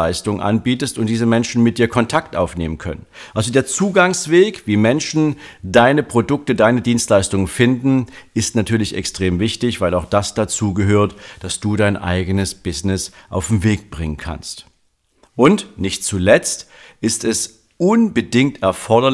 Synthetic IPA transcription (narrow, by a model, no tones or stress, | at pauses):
aɪstʊŋənʔa̰nbiːtəstʊntd̥iːzəmɛnʃn̩mɪt̚d̥iːɐkʰɔntʰaktʔa̰ʊfneːmənkʰœ̰nənʔalzodeːɐt͡suːɡaŋsv̥eːkviːmɛnʃn̩daɪnəpʁ̥odʊk̚tədaɪnədiːnstlaɪstʊŋənfɪndn̩ɪstnatʰyːɐlɪçɛ̰kstʁ̥eːmvɪçtɪçv̥aɪlaʊxd̥asd̥at͡suːɡəɦøːɐtd̥asd̥uːdaɪnʔa̰ɪɡənəsb̥ɪznɪsʔa̰ʊfm̩veːk̚b̥ʁɪŋənkʰa̰nst | ʔʊntnɪçt̚t͡sulɛt͡st | ʔɪstɛs | ʔʊnbədɪŋk̚tɛɐfɔɐdɐ